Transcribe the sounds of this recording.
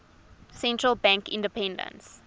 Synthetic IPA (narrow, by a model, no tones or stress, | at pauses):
sɛ̃ntɹəlbãŋkĩndəpʰɛ̃ndə̰̃ns